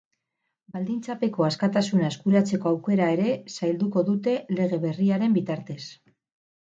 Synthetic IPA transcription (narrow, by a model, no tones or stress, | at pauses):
bald̪int͡sape̞ko̞askat̪asunaeskuɾat͡se̞ko̞awke̞ɾae̞ɾe̞sajld̪uko̞ðut̪e̞le̞ɣ̞e̞βe̞riaɾe̞mbit̪aɾt̪e̞s